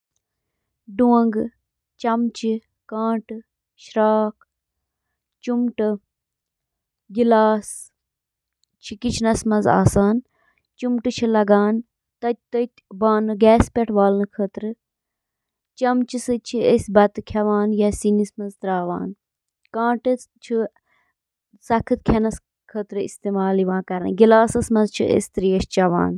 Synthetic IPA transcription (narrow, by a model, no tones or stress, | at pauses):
ɖuɐŋɡ | t͡ʃɐmt͡ʃi | kãːʈ | ʃɾaːk | t͡ʃumʈɨ | ɡilaːs | t͡ʃʰikit͡ʃʰnɐsmɐnza̰ːsaːn | t͡ʃumʈɨt͡ʃʰilɐɡaːn | t̪ɐt̪̚ʲt̪ɐt̪ʲbaːnɨɡɛːspʲɛʈʰʋaːlnɨkʰəːt̪ɾɨ | t͡ʃɐmt͡ʃʰisɨt͡ʃʰiesʲbɐt̪ɨkʰɐʋaːnjɐsinismɐnzt̪ɾaːʋa̰ːn | kãːʈɨ | t͡ʃʰi | sɐkʰɨt̪̚kʲʰɐnɐs | kʰəːt̪ɾɨḭst̪eːmaːliʋãːkɐɾɐ̰nɡilaːsɐsmɐzt͡ʃʰḭʔḛsʲt̪ɾiːɐst͡ʃɐʋa̰ːn